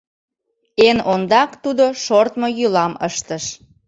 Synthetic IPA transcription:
enond̪ɑkt̪ud̪oʃort̪mojylɑməʃt̪əʃ

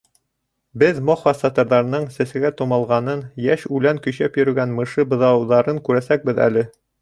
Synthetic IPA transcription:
bɘðmoχfɑst̪ɑt̪ɤ̆ɾðɑɾnɤɴsæsɘ̆ɡæt̪ŏmɑlˠʁɑnɤnjæʃʉlæŋkɵ̆jɕæpjɵ̆ɾɘ̆ɡænmɤ̆ʃɤbɤ̆ðɑwðɑɾɤŋkʉɾæsæk̚bɘðæ̰lɘ

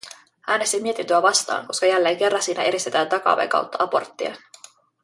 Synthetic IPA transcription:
ʔæːne̞st̪imːiet̪int̪øæʋɑst̪ɑ̰ːŋko̞skɑjælːe̞ːŋke̞rːɑnsiːnæʔe̞ɾist̪et̪æːnt̪ɑkɑ̰ːʋḛŋkɑ̰wt̪ːɑʔɑpo̞̰rt̪ːiḛn

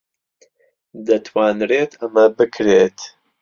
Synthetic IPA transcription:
d̪ɐt̪ʰwaːnreːt̪ʰɐmɐbɨkʰɾet̪

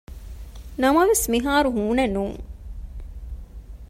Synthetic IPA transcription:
nɐmɐʋesmiɦaːɾuɦuːnɐnuːŋ

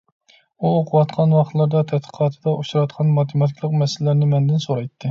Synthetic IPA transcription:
uoqʰʊwɑt̪qʰɑnwɑχt̪lˠɑɾd̪ɑt̪ʰɛt̪̚qʰə̥qʰɑːt̪ʰɨd̪ɑʔuʃɾɑt̪qʰɑnmɑt̪ʰemɑt̪ʰikʲlˠəqmɛsɪlɪlɪɾnɪmɛnd̪ɪnsoɾɑjt̪ʰːɨ

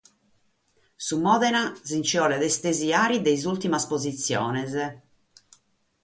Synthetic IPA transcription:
sumːɔðɛnazint͡ʃiɔlɛðɛst̪eziaːɾid̪ejzult̪imaspozit̪sːjɔːnɛz

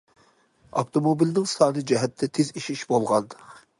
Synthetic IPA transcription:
ɑ̰ft̪omobilnɪŋsɑːnɨd͡ʒɛɦɛt̪ʰːɛt̪ʰeziʃiʃbolˠʁɑnd̪q

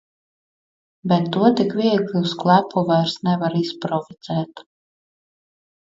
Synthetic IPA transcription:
bɛt̪ːuɔt̪ikvʲiɛɡlʲˠiusklˠæpʰɔvaɾsnɛvaɾispɾɔfiz̥ɛːt̪

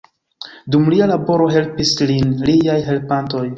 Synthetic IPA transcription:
dumlialabo̞ɾo̞ɦe̞lpislinliajɦe̞lpanto̞j

